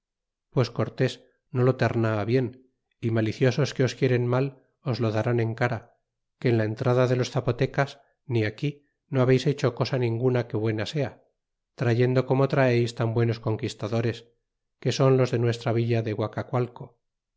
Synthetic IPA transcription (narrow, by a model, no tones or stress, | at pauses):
pwe̞sko̞ɾt̪e̞s | no̞lo̞t̪e̞ɾnaːβje̞n | imaliθjo̞so̞ske̞o̞skje̞ɾe̞nmal | o̞zlo̞ðaɾane̞ŋkaɾa | ke̞ːnlae̞nt̪ɾaðaðe̞lo̞sθapot̪e̞kas | niaki | no̞aβe̞jse̞t͡ʃo̞ko̞sanĩŋɡunake̞βwe̞nase̞a | t̪ɾaʝe̞nd̪o̞ko̞mo̞t̪ɾaejst̪ambwe̞no̞sko̞ŋkist̪aðo̞ɾe̞s | ke̞so̞nlozðe̞nwe̞st̪ɾaβ̞iʎaðe̞ɣwakakwalko̞